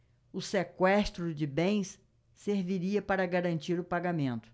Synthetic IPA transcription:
ʊsekwɛst̪ɾʊd͡ʒɪbẽj̃sː | eɾviɾiɐpaɾɐɡaɾɐ̃nt͡ʃiɾʊpaɡamẽnt̪ʊ̥

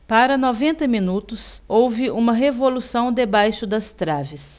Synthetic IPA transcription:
paɾɐnɔvẽnt̪ɐmĩnut̪ʊsowvɪʔũmɐɦevolusɐ̃w̃d̪ebajʃʊd̪ɐst̪ɾavɪs

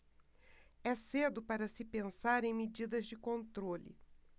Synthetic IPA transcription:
ɛsed̪ʊpaɾɐsɪpẽsaɾẽj̃med͡ʒid̪ɐzd͡ʒɪkõnt̪ɾolɪ̰

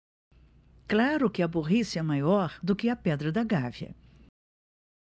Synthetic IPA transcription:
klaɾʊkɪɐboʁisɪɛmajɔɾd̪ʊkɪɐpɛd̪ɾɐd̪ɐɡavjɐ̰

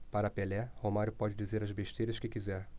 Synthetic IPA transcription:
paɾɐpelɛhomaɾʊpɔd͡ʒɪd͡ʒizeɾɐzbeʃt̪ejɾɐʃkɪkizɛɾ

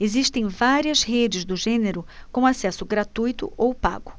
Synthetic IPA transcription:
eziʃt̪ẽj̃vaɾiɐzhed͡ʒɪzd̪ʊʒẽneɾʊkõasɛsʊɡɾat̪ujt̪ʊ̰ʔowpa̰ɡʊ

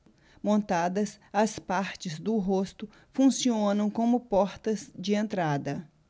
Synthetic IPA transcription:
mõnt̪ad̪ɐsɐspaɾt͡ʃɪzd̪ʊɦost̪ʊ | fũsiõnɐ̃w̃kõmʊpɔɾt̪ɐzd͡ʒɪẽnt̪ɾad̪ɐ

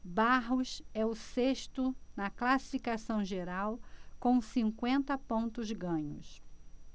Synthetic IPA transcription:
baɦʊsɛʊseʃt̪ʊnɐklasi̥fikasɐ̃w̃ʒeɾawkõw̃sĩŋkwẽnt̪ɐpõnt̪ʊzɡɐ̃ɲʊ̰s

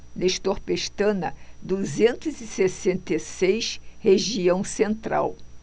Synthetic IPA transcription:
neʃt̪oɾpeʃt̪ɐ̃nɐ̰d̪uzẽnt̪ʊzɪsesẽnt̪esejʃheʒiɐ̃w̃sẽnt̪ɾa̰w

